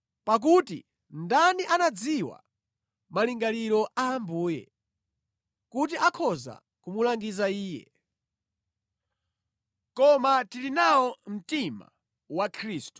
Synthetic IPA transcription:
pak̬utḭ | ndaniʔanad͡ziwa̰ | maliŋɡaliɾɔʔaːmbuːjɛ̰ | kut̬iakʰɔza̰ | kumulaŋɡizaiːjɛ̰ | kɔmatilinawɔm̩tima̰ | wakʰɾiːstu̥

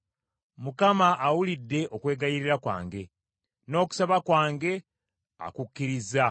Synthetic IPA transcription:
mukamaʔːwulidːe̞ʔo̞kwe̞ːɡajiɾiɾakwa̰ːŋɡe̞ | no̞ːku̥saβakwaːŋɡe̞ | a̰kukːiɾiza

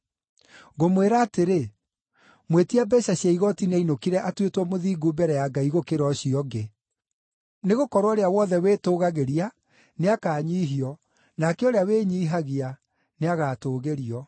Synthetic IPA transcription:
ɣomweɾaːteɾe | mwetiabɛɕaɕjaiɣɔtineinokiɾɛʔatwetwɔmoðiːɡubɛɾɛjaɡaiɣokeɾɔɕiɔɡe | neɣokɔɾwɔɾeawɔðɛwetoːɣaɣeɾia | neakaːɲiːɦiɔ | nakɛoɾeaweːɲiːɦaɣia | neaɣaːtoːɣeɾiɔ

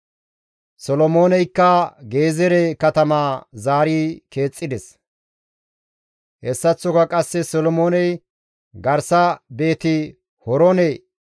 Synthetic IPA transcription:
sɔlɔmo̞ːnɛjkːɐɡe̞ːzɛɾɛkɐt̪ɐmaːzaːɾiːke̞ːt͡sʼːɪd̪ɛs | hɛsːɐt͡sːɔkɐkʼɐsːɛsɔlɔmoːnɛj | ɡɐɾsɐbe̞ːt̪ɪ | hɔɾɔnej

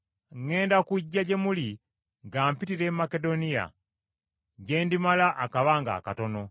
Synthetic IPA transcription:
ŋe̞ːndakuɟːaɟemuli | ŋɡaːmpitiɾemːake̞do̞nija̰ | ɟeːndimalaʔakaβaːŋɡa̰kato̞no

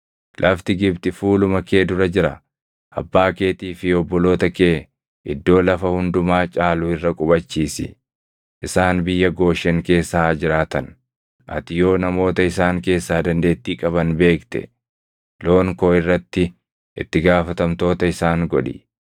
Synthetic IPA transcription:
lʔɐft̪ɪɡɪbt̪ɪfuːlʊmɐke̞ːd̪ʊɾɐd͡ʒɪɾɐ | ʔɐ̰bːaːke̞ːt̪iːfɪɔbːɔlo̞ːt̪ɐkeː | ʔɪd̪ːo̞ːlɐfɐhʊnd̪ʊmaːt͡ʃʼaːlʊɪrːɐkʼʊbɐt͡ʃːiːsɪ̰ | ʔɪsaːnbɪjːɐɡo̞ːʃːɛŋke̞ːsːad͡ʒɪɾaːt̪ɐn | ʔɐ̰t̪ɪjo̞ːnɐmo̞ːt̪ɐɪsaːŋke̞ːsːaːd̪ɐnd̪e̞ːt̪ːiːkʼɐβɐnbe̞ːkt̪ɛ̰ | lo̞ːŋko̞ːɪrːɐt̪ːɪ | ʔɪ̰t̪ːɪɡaːfɐt̪ɐmt̪o̞ːt̪ɐɪsaːŋɡɔᶑɪ̰

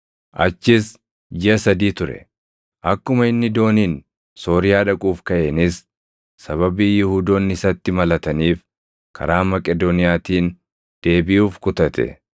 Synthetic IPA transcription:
ʔɐ̰t͡ʃːɪs | d͡ʒɪʔɐsɐd̪iːt̪ʊɾɛ̰ | ʔɐkːʊmɐɪnːɪd̪o̞ːniːn | so̞ːɾɪjaːᶑɐkʼuːfkɐʔeːnɪs | sɐβɐbiːjʊhuːd̪oːnːɪsɐt̪ːɪmɐlɐt̪ɐniːf | kʰɐ̰ɾaːmɐkʼɛd̪ɔnɪjaːt̪iːn | d̪̥e̞ːbɪjuːfkʊt̪ɐt̪ɛ̰

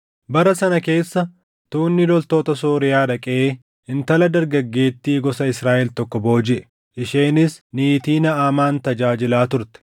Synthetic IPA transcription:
bɐɾɐsɐnɐke̞ːsːɐ | t̪uːnːɪlɔlt̪o̞ːt̪ɐsoːɾɪjaːᶑɐkʼɛʔeː | ɪnt̪ɐlɐd̪ɐɾɡɐɡːe̞ːt̪ːiːɡɔsɐɪsɾaːʔɛlt̪ɔkːɔbo̞ːd͡ʒɪʔɛ̥ | ʔɪʃe̞ːnɪsniːt̪iːnɐaːmaːnt̪ɐd͡ʒaːd͡ʒɪlaːt̪ʊɾt̪ɛ̥

